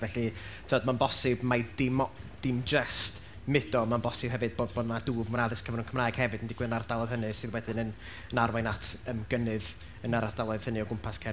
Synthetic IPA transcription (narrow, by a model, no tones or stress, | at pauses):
vɛɬitʰivɔd̚manbɔsɪbmadɪmd̥ɪmd͡ʒɛst | mɪd̥ɔmanbɔsɨb̥ɦɛvɨd̚bobodaduːvmʊnaðɨskʰəvɾnunkʰəmraːjɡ̥hɛvɨd̥əndɪɡwɨðənard̥alˠɔð̥hənɨsɨðwɛdɨnən | ənarwanatʰəmɡənɨð | ənaɾard̥alˠɔð̥hənɨɔɡʊmpʰaskʰɛ